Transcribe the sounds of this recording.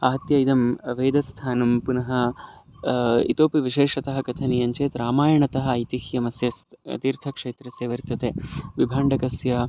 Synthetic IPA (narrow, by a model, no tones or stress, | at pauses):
ɐɦɐt̪jɐid̪ɐmʋeːd̪ɐst̪ʰaːnɐmpunɐɦɐ̆ | ḭt̪oːpiʋiʃeːʂɐt̪ɐɦɐkɐt̪ʰɐnijɐɲt͡ʃeːt̪ɾaːmaːjɐɳɐt̪ɐɦɐ̆ɐjt̪ihjɐmɐsjɐst̪t̪iːɾt̪ʰɐkʂeːt̪ɾɐseːʋɐɾt̪ːɐt̪eːʋibʱaːɳɖɐkɐsjɐ